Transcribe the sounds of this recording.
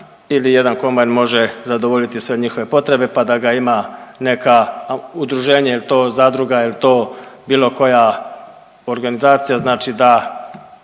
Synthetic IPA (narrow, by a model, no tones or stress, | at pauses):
ilije̞d̪anko̞mbajnmo̞ʒe̞zad̪o̞ʋo̞ʎit̪isʋe̞ɲixoʋe̞po̞t̪ɾe̞be̞pad̪aɡaimane̞kaud̪ɾuʒe̞ːɲailit̪o̞ːzaːd̪ɾuɡailit̪o̞ːbiːlo̞ko̞ja | o̞ɾɡanizaːt̪sijaznaːt͡ʃid̪a